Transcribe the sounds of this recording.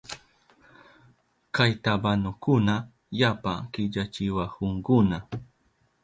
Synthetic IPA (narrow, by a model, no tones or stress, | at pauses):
kajt̪abanʊkʊna | japa̰kɪʎat͡ʃɪwakʊŋkʊna